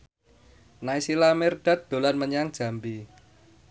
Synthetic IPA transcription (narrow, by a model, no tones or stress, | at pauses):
naisilamɛrd̥at̪̚d̪̥o̤lanməɲaŋd̥ʒ̥ä̤mbi